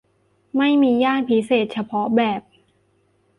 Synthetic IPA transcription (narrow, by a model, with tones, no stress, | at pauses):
ma˥˩jmiː˧jaː˥˩npʰi˦˥seː˨˩t̪̚t͡ɕʰa˧pʰɔ˦˥bɛː˨˩p̚